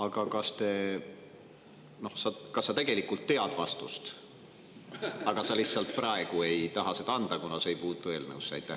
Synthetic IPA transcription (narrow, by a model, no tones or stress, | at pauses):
ɑɡɑkɑst̪e̞ | no̞hsɑkɑsːɑt̪e̞ɡ̥e̞likːˑult̪ːe̞ɑd̪̥vɑst̪ust̪ | ɑɡ̥ɑsɑlihsːɑlt̪̚ˑprɑe̞ɡ̥ue̞jt̪ɑɦɑsed̪̥ɑɑnd̪̥ɑkunɑseejpuːt̪ːˑue̞ːlnə̰uwsːɑ̰jt̪ːˑæ